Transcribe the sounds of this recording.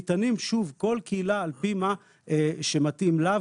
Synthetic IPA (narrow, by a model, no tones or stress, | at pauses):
t̪animʃuvko̞lkeilaːlpima | eʃematimlav